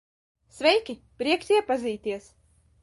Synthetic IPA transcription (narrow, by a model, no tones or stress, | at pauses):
svɛjkʲi | pɾiɛksʲiɛpaziːt̪iɛs